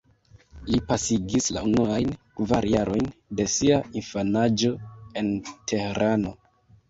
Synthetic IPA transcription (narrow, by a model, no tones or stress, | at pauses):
lipasiɡisla̰unuajnkvaɾjaɾo̞jnde̞siainfanad͡ʒo̞e̞ntʰe̞heɾano̞